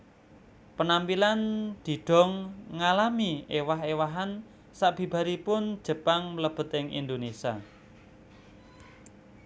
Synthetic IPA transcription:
pənampiland̪̥i̤ɖ̥ɔ̤ŋːalamiʔewaɦewaɦan | saʔb̥i̤b̥a̤ɾipʊnd̥ʒ̥ə̤paŋləb̥ə̤t̪ɪŋʔḭnd̪onesia̰

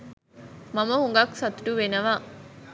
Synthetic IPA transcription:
mɐmɐhuŋɡɐksɐt̪uʈuʋenɐʋaː

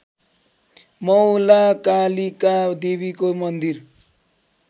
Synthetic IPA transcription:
mʌwlakalikad̪eβikomʌnd̪ir

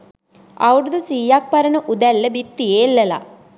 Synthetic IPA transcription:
ɐ̰ʋɽud̪usiːjaːk̚pɐɾɐnuʔud̪ɛlːɐbit̪ːijeːlːɐla̰

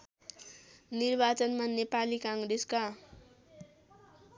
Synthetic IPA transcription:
nirbat͡sʌnmanepalikaŋɡɾeska

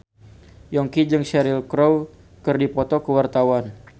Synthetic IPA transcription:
jɔŋkid͡ʒəŋʃɛɾɪlkɾow | kərdipɔt̪ɔkəwart̪awan

